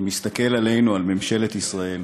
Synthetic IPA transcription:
mist̪ake̞lale̞jnualme̞mʃe̞let̪isʁae̞l

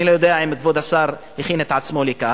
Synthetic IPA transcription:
ilojod̪eaimkvod̪asaʁhiχinet̪ʕat͡smo̞lika

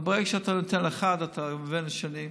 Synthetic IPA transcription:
bekʃeat̪anot̪enleχad̪at̪ʰamvenʃanim

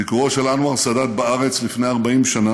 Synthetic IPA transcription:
ikuʁoʃelanwaʁsadat̪̚baaʁe̞t͡slifneaʁbaimʃana

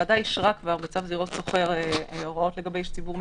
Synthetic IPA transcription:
adajiʃʁakvaʁbet͡safziʁo̞t̪so̞χeʁeoʁo̞t̪le̞ɡabejʃt͡sibuʁm

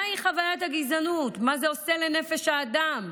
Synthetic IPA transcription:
iχavajathaɡizanutmazeose̞le̞ne̞feʃhaːdam

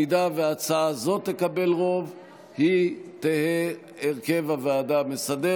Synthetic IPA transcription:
id̪aveat͡saazo̞t̪ːe̞kabe̞lʁo̞v | hit̪ehe | eʁke̞vavead̪amesad̪e

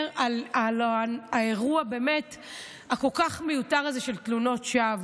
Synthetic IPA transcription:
alalaeʁuabeːmet | hako̞lkaχmejutaʁazeʃeltluno̞tʃav

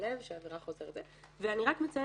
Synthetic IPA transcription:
levʃeaːveʁaχo̞zeʁetdze | veaniʁakmet͡saj

